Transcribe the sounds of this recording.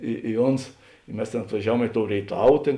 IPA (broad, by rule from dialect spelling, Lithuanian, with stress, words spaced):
ˈɪ ɪ ˈoːns ɪ ˈmʲɛs tʲeːn ɐtʋɐˈʒʲæːˌʋuɔm ɪ toːʊ rʲeːɪˈtɐw ˈtʲeːn